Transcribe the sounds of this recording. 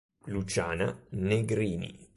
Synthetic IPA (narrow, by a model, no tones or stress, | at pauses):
lut͡ʃa̰ːnaneɡɾiːnḭ